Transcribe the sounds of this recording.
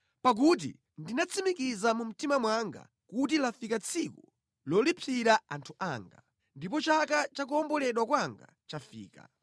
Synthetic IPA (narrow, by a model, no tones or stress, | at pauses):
pak̬ut̬ḭ | ndinat͡sʰimikizamum̩timamwaŋɡa̰ | kut̬ilafikat͡sʰiku | lɔlipʰiɾaantʰuʔaːŋɡa̰ | ndipɔt͡ʃakat͡ʃak̬uɔmbɔlɛɗwakwaŋɡa̰ | t͡ʃafḭːka̰